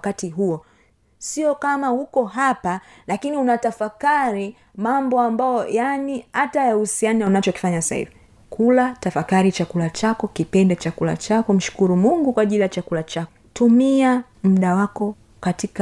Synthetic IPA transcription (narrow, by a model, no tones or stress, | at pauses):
katiɦuɔ | siɔkamahukɔɦapa | lakiniunatafakaɾi | mambɔambajɔjanihatajahusianaunat͡ʃɔki̥faɲasa̰hḭvi | kʰulatafakaɾit͡ʃakulat͡ʃakɔkipɛndɛt͡ʃakula̰t͡ʃakɔm̩ʃu̥kuɾumuŋɡukwaʄilijat͡ʃakulat͡ʃakɔtumia | m̩ɗawakɔ | katika